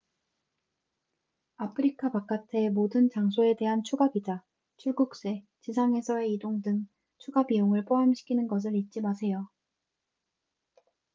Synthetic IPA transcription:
apʰɯɾikʰapak͈atʰemodɯnt͡ɕaŋsʰoe̞de̞ɦant͡ɕʰuɡabida | t͡ɕʰuɭɡuk̚s͈e̞ | t͡ɕisʰaŋɦe̞sʰʌe̞idoŋdɯŋ | t͡ɕʰuɡabijoŋɯɭp͈oɦamɕʰi̥kʰinɯnɡʌs̬ʰɯɾit̚t͡ɕ͈imasʰe̞jo

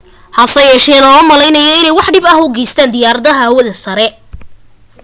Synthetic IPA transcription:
hɐsɐjɛːʃɛːlɐɔmɐlɛjnɐjɔɪnɛjwɑħɖɪbɐɦʊɡɛjst̪ʰaːnd̪ɪjaːɾɐðɐɦɐːwɐðɐsɐɾɛ

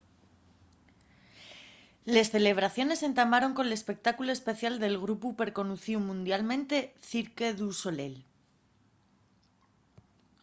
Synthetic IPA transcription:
le̞sθe̞le̞β̞ɾaθjo̞ne̞se̞nt̪amaɾo̞ŋko̞nele̞spe̞k̚t̪akuloespe̞θjald̪e̞lɣ̞ɾupupe̞ɾko̞nuθiumũnd̪jalmẽ̞nt̪e̞θiɾkeðuso̞le̞̰l

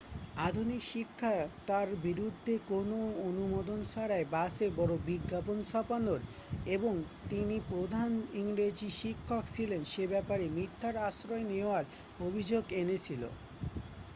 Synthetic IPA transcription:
ad̪ʱunikʃikʰːat̪aɾbiɾud̪ʱːekonoonumod̪onʃaɾaebasebɔɾobiɡːaponsapanoɾ | eboŋt̪inipɾod̪ʱaniŋɾed͡ʑiʃikʰːokt͡ɕʰilenʃebɛpaɾemit̪ʰːaɾaʃɾɔeneoaɾ | obʱid͡ʑoɡenet͡ɕʰilo̰

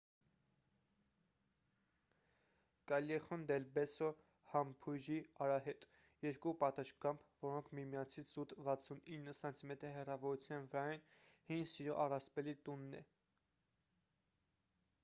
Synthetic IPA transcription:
kɑljɛχɔnd̪ɛlbɛsɔ | hɑmpʰujɾiɑɾɑɦɛt̪ʼ | jɛɾkupɑt̪ɑʃkɑmpʰvɔɾɔŋkʰmimjɑnt͡sʰit͡sʰzut̪vɑt͡sʰuninːəsɑnt̪ʰimɛt̪əɾɦɛrɑvɔɾut͡sʰjɑnvəɾɑjnhinsiɾɔʔɑrɑspɛlit̪unːɛ̰

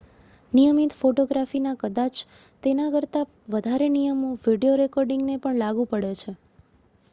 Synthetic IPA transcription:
nijəmit̪foʈoɡɾafinakəd̪at͡ʃ | t̪enakəɾt̪a | ʋəd̪ʱaɾenijəmoʋiɖijoɾekɔɾɖiŋɡnepəɳlaɡũpəɽet͡ʃʰe

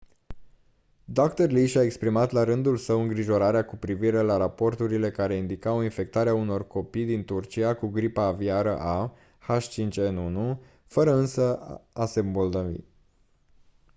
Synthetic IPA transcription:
d̪okt̪ərliʃae̞kspɾimat̪laɾɨnd̪ulsəwɨŋɡɾiʒo̞ɾaɾeakupɾiviɾe̞laɾapo̞rt̪uɾile̞kaɾe̞ind̪ikawinfe̞k̚t̪aɾeauno̞rko̞pijd̪int̪urt͡ʃiakuɡɾipaːviaɾə̰ʔa | xaʃt͡ʃint͡ʃʲenunu | fəɾəɨnsəase̞mbold̪ovḭ

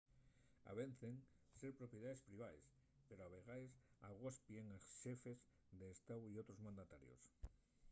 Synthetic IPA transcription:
a̰βen̟θeŋseɾpɾopjeð̞aðespɾiβ̞ajs | peɾoaβeɣajsaɣospjeŋasʃefez | d̪eːst̪awiowt̪ɾozmãnd̪at̪aɾjo̰s

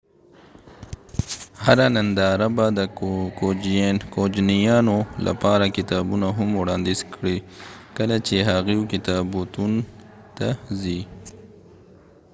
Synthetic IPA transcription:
haɾanand̪ɑːɾabad̪kokod͡ʒnijɑnolʔa̰pɑɾakɪt̪ɑːbunaɦʊmwɽɑːnd̪izkɽikəlat͡ʃeɦaɣikɪt̪ɑbut̪un | t̪azi

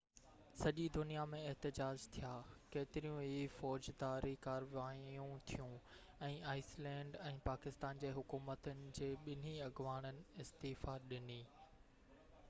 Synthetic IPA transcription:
sɐʄid̪ʊnijamẽɪɦt̪ɪd͡ʑaːd͡ʑt̪ʰijaːkeːt̪ɪɾijũɦifɔːd͡ʑd̪aːɾikaːɾʋaːjjũt̪ʰijũ | ɛ̃ːaːɪslɛ̃ːɳɖɛ̃ːpaːkɪst̪aːnd͡ʑeːɦʊkuːmət̪ənɪ̆d͡ʑeːɓɪn̤iɐɡʋaːɽ̃ənɪ̆ɪst̪iːfaɗɪniː

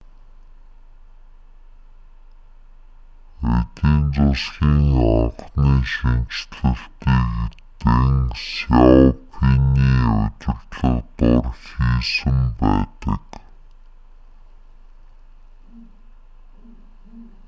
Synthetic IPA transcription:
et̪iːnt͡sʊsxiːŋɔχniːʃiŋt͡ɕt̪ɮɘ̆ɬt̪iːɣit̪eŋsjawpʰiniːʊ̰t͡ɕɪ̆rt̪ɮə̆χt̪ʊrxiːsɘ̆mpæ̰ːt̪ə̰̆k

